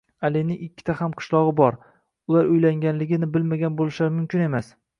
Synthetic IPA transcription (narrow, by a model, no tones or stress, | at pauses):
alinɪŋɪkʲʰːɪ̥t̪ʰahamqʰɨ̥ʃlˠɒʁɨbɒɾ | ʊlaɾʊjlaŋɡʲanlɪɡʲɪnɪbɪlmaɡʲanbolɪʃaɾɪmʊmkʲɪne̞mas